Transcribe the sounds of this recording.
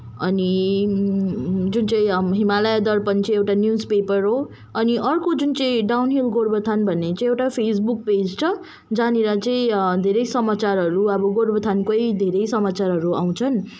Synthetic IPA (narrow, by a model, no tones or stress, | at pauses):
ʌni | d͡zunt͡sʌĩɦimalʌjd̪ʌrpʌnt͡sʌĩewʈanjud͡zpepʌrɦo | ʌniʔʌrkod͡zunt͡sʌĩɖawnɦilɡoɾbʌt̪ʰanbʱʌnːet͡sãĩewʈapʰesbuk̚ped͡zt͡sʰʌ | d͡zaneɾʌt͡sʌĩd̪ʱeɾʌjsʌmat͡saɾɦʌɾuʌbʌɡoɾbʱʌt̪ʰankojd̪ʱeɾʌjsʌmat͡saɾɦʌɾua̰w̃t͡sʰʌn